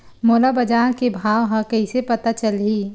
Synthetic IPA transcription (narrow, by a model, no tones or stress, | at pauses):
moːlabɐd͡ʒaːkebʱaːʋɦãkɐisepɐt̪at͡ʃɐlɦiː